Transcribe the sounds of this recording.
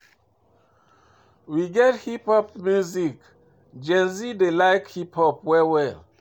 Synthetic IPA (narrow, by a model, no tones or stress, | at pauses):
wiɡɛthipɔp̚mjuzik | d͡ʒɛ̃nzidelaɪkhipʰhɔpwɛwɛl